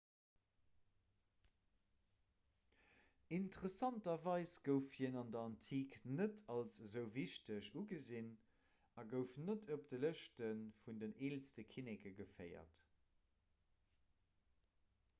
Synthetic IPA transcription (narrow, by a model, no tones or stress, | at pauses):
intəʁəsɑntɐvɑɪsɡ̥əʊfhiənɑndɐɑntʰiːknətʰɑlszəʊviʃtəʃuɡəzin | ɑɡəʊfnətʰop̚dələʃtənfundəneːlstəkʰinekəɡəfɜɪɐ̰t